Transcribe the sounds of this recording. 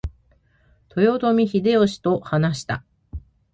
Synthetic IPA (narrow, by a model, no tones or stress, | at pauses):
t̪ʰo̞jo̞t̪o̞mʲiçid̪e̞oɕi̥t̪o̞hanaɕi̥t̪a̰